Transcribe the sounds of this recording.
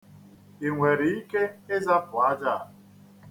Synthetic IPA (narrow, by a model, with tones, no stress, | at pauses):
i˨ŋʷe˨ɾi˨i˦ke˦e˦za˦pʊ˨a˦d͡ʒa˦˨